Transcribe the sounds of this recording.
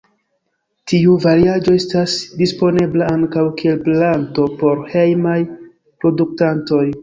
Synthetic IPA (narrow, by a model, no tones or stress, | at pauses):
tiuvaɾiad͡ʒo̞e̞stasdispo̞ne̞blaaŋkawkie̞lplanto̞po̞ɾhejmaj | pɾo̞duk̚tanto̞j